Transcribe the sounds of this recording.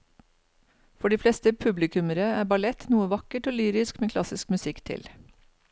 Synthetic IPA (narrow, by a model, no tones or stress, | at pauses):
fɔɖiːflɛst̪əpʰʉblɪkʰʉməɾəæːbɑlɛt̪nuːəʋɑkəʈoːlyːɾɪskmeːkʰlɑsɪskmʉsɪkt̪ʰɪ̰l